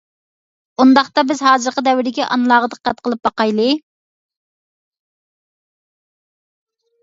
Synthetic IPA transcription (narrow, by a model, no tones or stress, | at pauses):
und̪ɑχt̪ɑbɪzɦɑːzɨɾqəd̪ɛwɪɾd̪ɪkʲiʔɑ̰nlˠɑːʁəd̪əqːæt̪̚qəlˠɨp̚bɑqɑjlˠɨ